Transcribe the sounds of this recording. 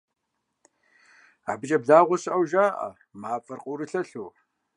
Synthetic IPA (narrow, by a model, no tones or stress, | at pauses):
a̰ːbɨt͡ʃʼɐbɮaːʁʷʊsʔɐwʒaːʔɐ̰ | maːfʼɐrqʼʊɾɨɬɐɬuː